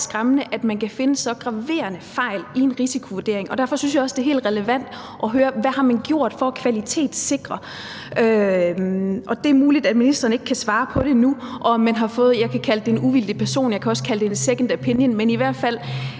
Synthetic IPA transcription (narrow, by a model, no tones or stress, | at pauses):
sɡ̥ʁamənəʔæd̥mænkʰæfe̝nəsɒ̽ɡ̥ʁɑ̈ʋe̝̰ːɐnəfɑ̈ɪ̰lie̝nʁisikʰo̝ʋuɐd̥e̝ɐ̰e̝ŋɒ̽d̥æɐfɒ̽synsjɑ̈ɒ̽sd̥e̝ɐɦe̝̰ːld̥ʁɛləʋæn̰d̥ | ʔɒ̽ɦøːɐʋæhɑ̈mænɡ̥jo̝̰ɐ̰d̥fɒ̽kʰʋælit͡sʰe̝̰ːd̥se̝ɡ̥ʁɐ | ʔø | ʔɒ̽d̥e̝æɐmuːlid̥æd̥minisd̥ɐːn̩e̝ɡ̥kʰæsʋɑ̈ːpʰɒ̽ɾ̥e̝nuʔɒ̽mænɦɑ̈fɔ̽ːð̞̩ˠjɑ̈ɪkʰækʰæləd̥enuʋil̰d̥ipʰæɐso̝̰ːnjɑ̈ɪkʰæɒ̽skʰæləd̥eenseɡ̥n̩d̥æpʰenjənmeniʋæɐ̰d̥fæl̰